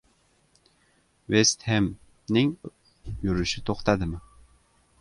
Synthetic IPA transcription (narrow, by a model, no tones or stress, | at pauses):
vest̪hem | nɪŋ | jyɾʏʃɪt̪ʰoχt̪ɑd̪ɪmɪ